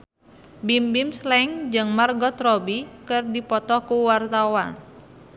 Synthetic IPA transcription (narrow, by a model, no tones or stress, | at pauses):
bimbimslɛŋd͡ʒɨŋmarɡɔt̪rɔbikɨrdipɔt̪ɔkuwart̪awan